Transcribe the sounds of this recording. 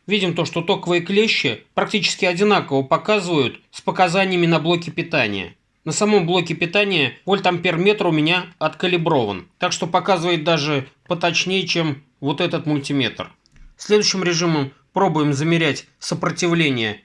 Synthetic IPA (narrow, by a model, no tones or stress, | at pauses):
vʲidʲɪmt̪o̞ʂt̪o̞t̪o̞kəvəjəklʲeɕːɪpɾɐk̚tʲit͡ɕɪ̥skʲɪɐdʲɪnakəvəpɐkazɨvəjʊt̪spəkɐzanʲɪjəmʲɪnɐblˠo̞kʲɪpʲɪt̪anʲɪ̰jə̰ | nəsɐmo̞mblˠo̞kʲɪpʲɪt̪anʲɪjəvolʲt̪ampʲermʲe̞t̪rʊmʲɪnʲaɐt̪kəlʲɪbɾo̞və̰nt̪akʂt̪o̞pɐkazɨvəjɪt̪̚d̪aʐɨpət̪ɐt͡ɕnʲejt͡ɕe̞m | vo̞t̪ɛt̪ət̪mʊlʲtʲɪmʲet̪r | sʲlʲe̞d̪ʊjɕːɪmɾʲɪʐɨməm | pɾo̞bʊjɪmzəmʲɪɾʲætʲsəpɾətʲɪvlʲenʲɪjə